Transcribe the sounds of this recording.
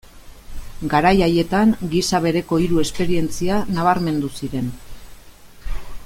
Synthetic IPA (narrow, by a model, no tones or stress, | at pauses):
ɡaɾajaje̞t̪aŋɡisaβ̞e̞ɾe̞ko̞iɾue̞spe̞ɾie̞nt͡sianaβ̞aɾme̞nd̪usiɾe̞n